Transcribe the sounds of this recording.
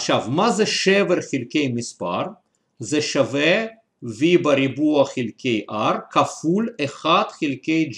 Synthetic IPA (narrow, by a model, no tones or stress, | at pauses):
ʃavmazeʃeveʁχilkejmispa̰ʁ | zeʃave | vibaɾibuaχilkʰejʔaɾkafuleχad̪̥χilkejd͡ʒ